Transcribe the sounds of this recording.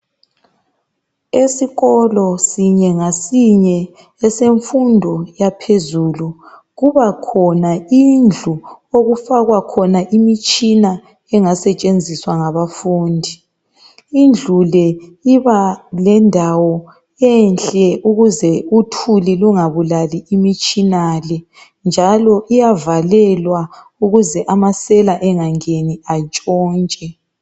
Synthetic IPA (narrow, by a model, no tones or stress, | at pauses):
esiɣɔlɔsiɲɛŋasiɲɛ | ɛseɱfundʱɔjapʰezulu | ɣuβakʰɔnaind͡ɮʱuoɣufaɣwakʰɔnaʔimit͡ʃʼina | ɛŋasɛt͡ʃʼend͡zʱiswaŋaβafuːndʱi | ind͡ɮʱulɛiβalɛndʱawɔ | ɛnɬʼɛʔuɣuzɛutʰuliluŋaβulaliːmit͡ʃʼinalɛ | nd͡ʒʱalɔʔijavalɛlwa | uɣuzɛʔamasɛlaʔɛŋaŋeniat͡ʃʼɔːnt͡ʃʼɛ